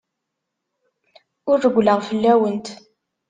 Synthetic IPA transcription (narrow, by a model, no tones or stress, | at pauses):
ʊɾːəɡʷləʁfəlːæwənt̪